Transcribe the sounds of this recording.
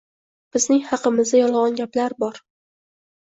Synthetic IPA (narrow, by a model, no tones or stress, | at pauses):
b̥ɪznɪŋhɑqʰɨmɪzd̪ajɒlˠʁɒnɡʲaplaɾbɒɾ